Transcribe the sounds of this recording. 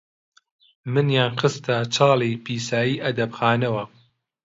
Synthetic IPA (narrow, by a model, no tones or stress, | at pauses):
mɨnjaːnxɨst̪at͡ʃʰɑːlˠipʰiːsaːjiːʔɐd̪ɐbxaːnɐwɐ